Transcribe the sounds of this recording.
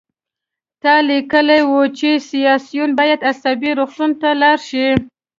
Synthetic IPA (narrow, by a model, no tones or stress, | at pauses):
t̪ɑlikəlajwut͡ʃesijɑsijunbɑjad̪asabiɾoxt̪unt̪alɑɾʃi